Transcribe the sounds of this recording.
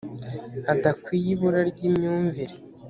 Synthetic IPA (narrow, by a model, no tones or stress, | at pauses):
adakwiːjiβuɾaɾɟimɲuːɱviɾe